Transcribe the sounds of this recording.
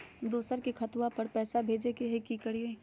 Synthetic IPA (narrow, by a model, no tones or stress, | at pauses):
d̪oːsəɾkikʰɐt̪ʋapɐɾpɛːsabʱeːd͡ʒekeɦekikəɽiẽ